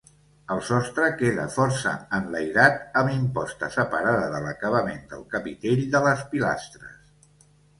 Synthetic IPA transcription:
əlˠsɔst̪ɾəkeðəfɔɾsə̰ənləjɾat̪əmimpɔst̪əsəpəɾaðəðələkəβəmend̪əlˠkəpit̪eʎd̪ələspila̰st̪ɾə̰s

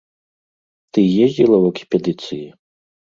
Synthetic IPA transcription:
tʰɨjezʲdʲilˠɐwakʰʲi̥pʰʲedɨt͡sʰɨji

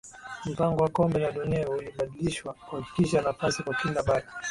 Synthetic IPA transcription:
m̩paŋɡɔwakɔmbɛnaɗuniahuliɓaɗiliʃwakuhaki̥kiʃanafasikwakindaɓaɗa

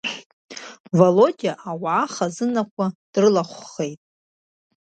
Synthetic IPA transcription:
volo̞dʲʼijaʔawaaχazɨnakʷʰad̥rɨlaχʷːe̞jtʼ

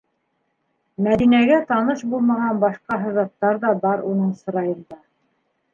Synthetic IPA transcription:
mæðinæɡæt̪ɑnɤʃbulˠmɑʁɑnbɑʃqɑɦɤ̆ðɑt̪ːɑɾðɑbɑɾunɤɴsɤ̆ɾɑjɤ̆nd̪ɑ

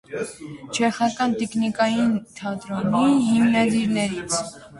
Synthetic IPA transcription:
t͡ʃʰɛχɑkɑnt̪ɛknikɑjint̪ʰɑt̪ɾɔninɦimnɑd̪iɾnɛɾit͡sʰ

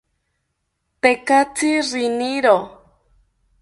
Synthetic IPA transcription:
t̪ekat͡siriniɾo

